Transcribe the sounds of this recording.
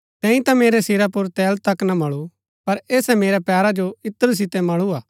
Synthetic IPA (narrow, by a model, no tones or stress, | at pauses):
t̪ɛ̃ːĩt̪ameːɾɛsɪɾapʊɾt̪ɛːlt̪ɐknamɐɭu | pɐɾeːsɛmeːɾɛpɛːɾad͡ʒoɪt̪ːəɾus̬ɪt̪ɛmɐɭuaː